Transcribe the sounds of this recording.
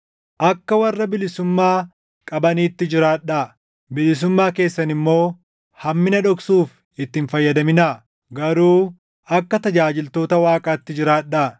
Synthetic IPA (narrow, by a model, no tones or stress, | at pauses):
ʔɐkːɐwɐrːɐbɪlɪsʊmːaː | kʼɐbɐniːt̪ːɪd͡ʒɪɾaːᶑɐ | bɪlɪs̬ʊmːaːke̞ːsːɐnɪmːo̞ː | hɐmːɪnɐᶑɔksuːf | ʔɪt̪ːɪːnfɐjːɐd̪ɐmɪna | ɡɐɾuː | ʔɐkːɐt̪ɐd͡ʒaːd͡ʒɪlt̪o̞ːt̪ɐwaːkʼaːt̪ːɪd͡ʒɪɾaːᶑːɐ